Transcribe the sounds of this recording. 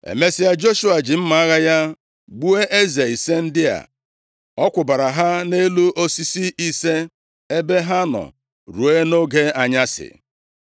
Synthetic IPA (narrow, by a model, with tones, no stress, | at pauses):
ḛ˨me˦sɪ˦ja˦d͡ʒo˦ʃu˦a˨d͡ʒɪ˨m̩˦ma˨a˦ɣa˦ja˦ | ɡ͡bu˦e˦ʔe˦ze˨i˨se˦n̩˦dɪ˦a̰˨ | ɔ˦kʷʊ˨ba˨ɾa˨ɦa˦ne˦lu˦ʔo˦si˦si˦i˦se˦ | e˦be˦ɦa˦nɔ̰˨ | ɾu˨e˦no˦ɡe˦a˨ɲa˦sɪ̰˨